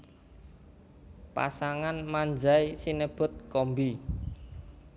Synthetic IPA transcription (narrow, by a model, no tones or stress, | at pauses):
pa̰saŋanmaɲd͡ʒaisinəb̥ʊ̤t̪̚kɔmbi